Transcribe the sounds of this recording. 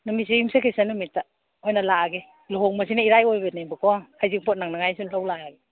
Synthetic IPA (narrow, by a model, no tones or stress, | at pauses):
nɯmis̬iimsekʰejsanɯmitːa | hɔjnalaɡe | loɦɔŋmas̬inaiɾajojbenebɯkɔŋkʰajziŋpʰɔt̚naŋnaŋajsunlawlaɡe